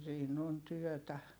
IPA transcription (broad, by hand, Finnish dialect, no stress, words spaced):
siːn on tyœˑtæ